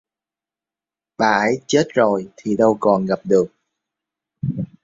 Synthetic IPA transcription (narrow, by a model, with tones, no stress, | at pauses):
ɓaː˨˩ʔə˨˦jt͡ɕe˦˥t̚zo˨˩jt̪ʰi˨˩ɗə˧wkɔ˨˩nɣa˨˩p̚ɗɨ˨˩ək̚